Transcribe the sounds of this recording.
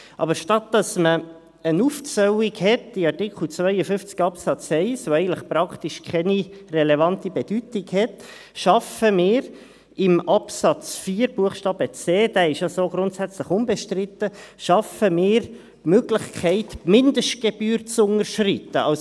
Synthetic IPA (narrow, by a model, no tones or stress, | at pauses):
ʔɑ̰bəɾʃtɑt̚dɑsmə | ənuft͡sœwɪkhɛtɪɑrtɪkχl̩t͡svœɪəfʏft͡skɑpsɑt͡sɛɪsʋoɛɪɡən̩tləχpɾɑkʰtiʃkʰɛnirɛlevɑntibed̥ytɪɡhɛt | ʃɑfəmɪːɾ | ɪmɑpsɑt͡sfiːəɾbuəχʃtɑːb̥ət͡seːd̥æːɪʃjɑsoːɡɾʊntsæt͡sləχʊnbɛʃtrɪtəʃɑfəmɪːɾ | møɡlɪχkʰɛɪtmɪndəʃt̚ɡ̥ebyːɾt͡sʊnəɾʃritəɑls